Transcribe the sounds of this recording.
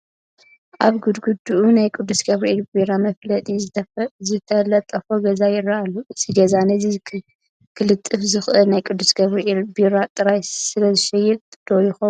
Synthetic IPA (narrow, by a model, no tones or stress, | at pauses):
ʔaβɡud̪ɡud̪uʔunajkʼud̪ːusɡɐβɾiʔelbiɾamɐflɐt̪ʼizɨt̪ʰɐzɨt̪ʰɐlɐt̪ʼːɐfoɡɐzajɪrːaʔalːuɨziɡɐzanɐzi | kʰɨlɨt̪ʼːɨfzɨxʔɨlnajkʼud̪ːusɡɐβɾiʔelbiɾat̪ʼɨɾajsɨlɐzɨʃɐjːɛt̪d̪̥ojixom